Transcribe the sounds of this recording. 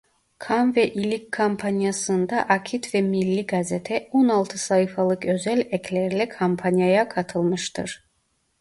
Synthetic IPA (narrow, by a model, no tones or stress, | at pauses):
kʰanvɛʔilikkʰːampʰanjasɯnd̪aʔakʰit̪ʰvɛmilːiɡazɛt̪ʰɛɔnalˠt̪ʰɯsajifalˠɯkʰøzɛlʲɛkʰlɛɾlɛkʰampʰanjajakʰat̪ʰɯlˠmɯʃt̪ɯ̰ɾ